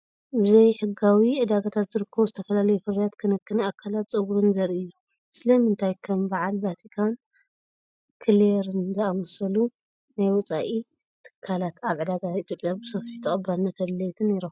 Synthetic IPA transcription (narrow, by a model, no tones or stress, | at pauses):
bɨzɐjħɨɡawiʕɨd̪aɡat̪ʰat̪zɨɾɨkːɐβuzɨt̪ʰɐfɐlalɐjufɨɾijat̪kʰɨnɐkːɨnɨakʰːalat̪t͡sʼɐɡuɾɨnzɐɾɨjːu | sɨlɐmɨnt̪ʰajkʰɐmbaʕalbat̪ʰikʰan | kʰɨleɾɨnzɐawɔsɐlu | najwɔt͡sʼaʔi | t̪ʰɨ̥kʰːalat̪aβʕɨd̪aɡait̪ʰjopʼjabɨsofit̪ʰɨχʼɐbanːɐt̪ʰɐlɐjt̪ʰɨneɾom